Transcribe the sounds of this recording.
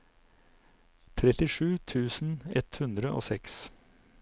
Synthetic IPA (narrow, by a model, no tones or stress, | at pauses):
t̪ʰɾɛt̪ɪʂʉːt̪ʰʉːsn̩ɛt̪hʉnd̪ɾəʔo̰ːsɛks